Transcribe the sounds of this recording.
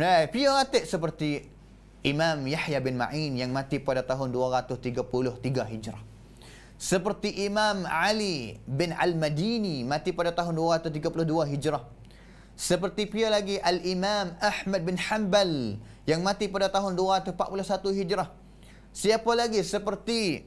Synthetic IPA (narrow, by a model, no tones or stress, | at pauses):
napiaɣat̪eʔsəp̬ərt̪i | ʔimamjaħjabɪnma̰ʔinjaŋmãt̪ipadat̪aɦʊnduaɾat̪ʊst̪iɡapulʊht̪iɡaɦid͡ʒɾah | səpərt̪iʔimamʕalibɪna̰lmadinimãt̪ipadat̪aɦʊnduaɾat̪ʊst̪iɡapulʊhduaɦid͡ʒɾah | səpərt̪ipialaɡiʔalʔimamahmad̪̚bɪnħambal | jaŋmãt̪ipadat̪aɦʊnduaɾat̪ʊpa̰ʔpulʊhsat̪uɦid͡ʒɾah | siapalaɡisəpərt̪i